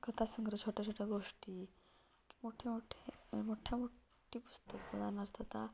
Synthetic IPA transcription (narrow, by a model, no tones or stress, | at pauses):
kət̪ʰasəŋɡɾət͡ɕʰoʈʰat͡ɕʰoʈʰaɡoʂʈi | ki̥moʈʰemoʈʰemoʈʰjamoʈʰː | ipu̥st̪əkpəd̪ʱanəɾt̪ʰət̪a